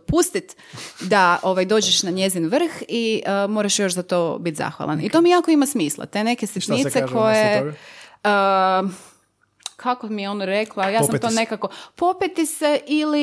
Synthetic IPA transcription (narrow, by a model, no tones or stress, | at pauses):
pust̪it̪ | d̪aʔo̞ʋajd̪o̞ːd͡ʑeʃnaɲe̞zinʋr̩xiəmoɾaʃjo̞ʃzat̪o̞ːbit̪za̰xʋa̰lˠa̰nit̪o̞ːmijaːkoimasmiːslˠa̰t̪e̞ne̞kesit̪nieko̞je | ə | kʰakomijeo̞noɾe̞klˠajaːsmt̪oːne̞kako̞po̞pit̪iseʔili